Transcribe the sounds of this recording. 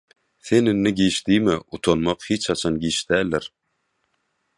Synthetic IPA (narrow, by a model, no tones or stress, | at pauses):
θenɪnːiɡiːʃd̪iːmeʔut̪ʰonmɑqhiːt͡ʃʰɑt͡ʃʰɑnɡiːʃd̪̥æːlːeɾ